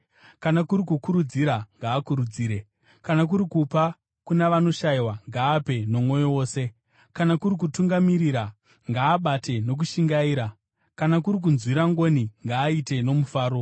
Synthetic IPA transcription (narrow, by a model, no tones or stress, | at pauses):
kanakuɾikukuɾud͡ziɾaŋɡaːkuɾud͡ziːɾe̞ | kanak̬uɾikupa | kunaʋano̞ʃaiwaŋɡaːpe̞no̞mwo̞jowo̞ːse̞ | kanakuɾik̬utuŋɡamiɾiɾa | ŋɡaːɓate̞no̞k̬uʃiŋɡaiːɾa | kanakuɾik̬unzwiɾaŋɡo̞niŋɡaːite̞no̞mufaːɾo̞